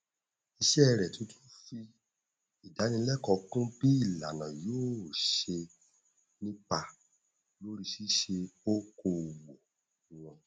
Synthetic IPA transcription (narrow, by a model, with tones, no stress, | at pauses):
i˧ʃɛ˦ɛ˦˧ɾɛ˨tũ˨˦tũ˦fi˧ | i˨da˨˦nĩ˧˦lɛ˦kɔ˧kũ˦b̥i˦i˦˨la̰˨nã˨joː˦˨ʃe˧ | nĩ˦pa˨ | lo˨˦ɾi˦ʃi˦ʃe˧o˦ko˧˨wo˨ | w̃ã˧˨